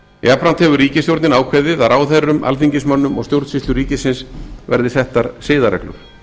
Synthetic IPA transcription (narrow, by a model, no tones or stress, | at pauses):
japɾant̪hɛvʏɾiːcɪst̪jowɾt̪nɪnaːwkʰvajðɪðaɾaːwθejrʏmʔa̰lθiɲcɪsmœnːʏmɔ̰st̪jowɾt̪sɪst̪ʏɾriːcɪsɪnsvɛ̰ɾðɪsɛht̪aɾ̥sɪːðaɾɛ̰klʏ̰ɾ̥